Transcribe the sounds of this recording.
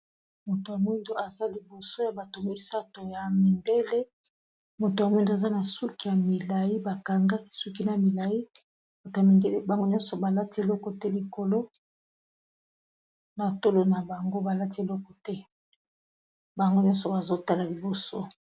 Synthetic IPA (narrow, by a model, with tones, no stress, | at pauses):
mo˨to˨a˨mwi˦ndo˦a˨za˦li˨bo˨so˦ja˨ba˨to˨mi˦sa˦to˨ja˨mi˨nde˦le˦ | mo˨to˨a˨mwi˦ndo˨a˨za˦na˨su˦ki˨ja˨mi˨la˨ji˦ba˨ka˨ŋɡa˦i˨su˦ki˦na˨mi˨la˨i˦ | mo˨ta˨mi˨nde˦le˦ba˨ŋɡo˦ɲɔ˦nsɔ˨ba˨la˦ti˦e˨lɔ˦kɔ˨tɛ˦li˨ko˨lo˦ | na˨to˦lo˨na˨ba˨ŋɡo˦ba˨la˦ti˦e˨lɔ˦kɔ˨tɛ˦ | ba˨ŋɡo˦ɲɔ̃˦nsɔ˨ba˨zo˦ta˦la˨li˨bo˨so˦